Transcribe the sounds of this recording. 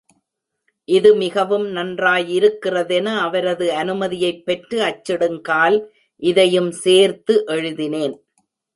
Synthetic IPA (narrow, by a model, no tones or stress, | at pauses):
ʔɪðɯmɪɣɐʋɯmnɐndraːjɪɾɯkːɪrɐðɛnɐːʋɐɾɐðɯɐnɯmɐðɪjɐɪpːɛʈrɯɐt͡ʃːɪɽɯŋɡaːl | ʔɪðɐjɯmseːɾt̪ɯʔɛɻɯðɪneːn